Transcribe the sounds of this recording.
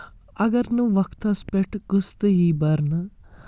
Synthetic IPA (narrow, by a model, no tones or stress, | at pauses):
ɐɡɐɾnuʋɐkt̪ɐspeʈʰɡust̪ɨjiːbɐɾnɨ